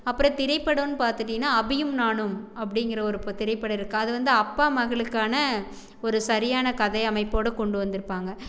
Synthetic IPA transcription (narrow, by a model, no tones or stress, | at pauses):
ɐpːɯɾɐ̃t̪ɪɾɐɪpːɐɽɐnːɯpaːɾt̪ɯʈːɪŋnːaːɐbɪjɯmnaːɳɯmɐpːɐɽɪŋɡɪɾɐɔɾɯpt̪ɪɾɐɪpːɐɽɐɪɾɯkːɯɐðɯʋɐnd̪ɯɐpːaːmɐɣɐɭɯkːaːnɐ | ɔɾɯsɐɾɪjaːnɐkɐðɐɪɐmɐɪpːoːɽɐkɔɳɖɯʋɐnd̪ɯɾɯpːaːŋɡɐ